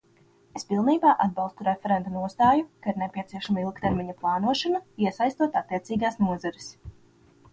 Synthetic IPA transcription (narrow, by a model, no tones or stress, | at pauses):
espilˠniːbaːʔad̪̚bɑlˠst̪uɾefɛɾɛnt̪anuɔst̪aːjukaiɾnepʲiɛt̪siɛʃamailˠkt̪eɾmʲiɲaplˠɑːnuɔʃanaiɛsajst̪uɔt̪at̪ːiɛt̪siːɡaːsnuɔzaɾɪs